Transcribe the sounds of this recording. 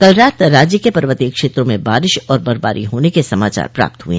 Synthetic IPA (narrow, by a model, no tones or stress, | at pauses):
kɐlɾaːt̪ɾaːd͡ʒjəkepɐɾʋət̪ikʃeːt̪ɾõmẽbaːɾɪʃɔːɾbɐɾba̰ːɾʔiɦoːnekesɐmaːt͡ʃa̰ːɾpɾa̰ːp̚t̪ɦuḛ̃ː